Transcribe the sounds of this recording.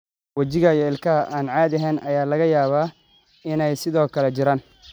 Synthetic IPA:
wɐt͡ʃɪɣɐjɔɪlkʰɐɦɐʔaːnʕaːðɐɦɛːnʔɐjaːlɐɣɐjaːβaː | ɪnɛjsɪðɔːkʰɐlɛt͡ʃɪɾaːn

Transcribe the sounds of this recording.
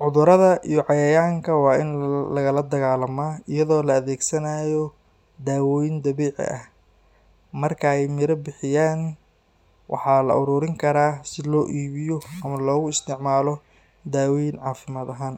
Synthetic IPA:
ʕʊðʊɾɐðɐʔijɔʕɑjɐjaːŋkʰɐwɑːʔɪnlɐɣɐlɐd̪ɐɣaːlɐmaːɪjɐðɔːlɐːðɛːɡsɐnaːjɔ | d̪aːwɔːjɪnd̪ɐβɛːʕɪ̰ʔɐh | mɐrkʰɐɛjmɪɾɐbɪħɪjaːn | wʔɑ̰ħɑːlɐ̰ʔʊɾʊːɾɪŋkʰɐɾaːsɪlɔːʔiːβɪjɔɐmɐlɔːɣʊɪst̪ʰɪʕmaːlɔ | d̪aːwɔjɪnʕɑːfɪmaːd̪ɐɦaːn

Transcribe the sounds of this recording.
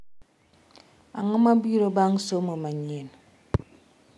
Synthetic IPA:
a̰ŋəmabiɾobaŋsoməmaɲen

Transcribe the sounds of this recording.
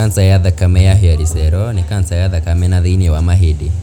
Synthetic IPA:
ansajaðakamɛjaɦiaɾisɛɾɔnikansajaðakamɛnaðiniwamaɦidi

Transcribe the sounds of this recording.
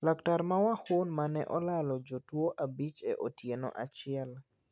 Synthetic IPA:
daktaɾmawahʊnmanɛ̰ʔɔlalɔd͡ʒotwoʔabit͡ʃḛʔotjeno̰ʔat͡ʃɪɛl

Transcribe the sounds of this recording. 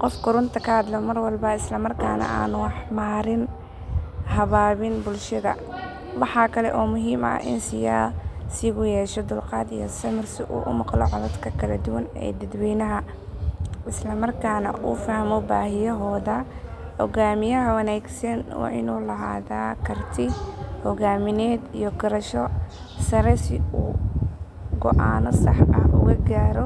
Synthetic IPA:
qɔfkʰʊɾʊnt̪ʰɐkʰɐhɐd̪lɔmɐrwɑlbɐɪslɐmɐrkʰaːnɐ̰ʔa̰ːnʊwɑħmaːɾɪn | hɐβaːβɪnbʊlʃɐðɐ̰ | wɑħɑːkʰɐlɛ̰ʔɔːmʊɦiːmɐ̰ʔɪ̰nsɪjaːsɪɣʊjɛːʃɛd̪ʊlqɑːd̪ijɔsɐmɪrsɪʔṵːʔʊmɑqlɔ̰ʕɑðɐd̪kʰɐkʰɐlɐd̪ʊwɐnɛ̰ːd̪ɐd̪wiːnɐɦɐ | ʔɪslɐmɐrkʰaːnɐ̰ʔuːfɐhmɔbaːɦɪjɐɦɔːðɐ | hɔɣaːmɪjɐɦɐwɐnaːɡsɐnwɑ̰ʕɪ̰nuːlɐɦa̰ːðaːkʰɐrt̪ʰɪhɔɣaːmɪnɛːd̪ijɔɡɐɾɐʃɔ | sɐɾɛsɪuː | ɡɔ̰ʔaːnɔsɑħɐ̰hʊ̰ɣɐɡaːɾɔ

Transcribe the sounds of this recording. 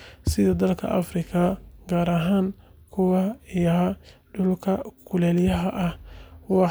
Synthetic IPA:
sɪðɐd̪ɐlkʰɐ̰ʔɐ̰frɪkʰɐɡaːɾɐɦaːnkʰʊwɑɪjɐɖʊlkʰɐkʰʊlɛːljɐɦɐʔɐhwɑ

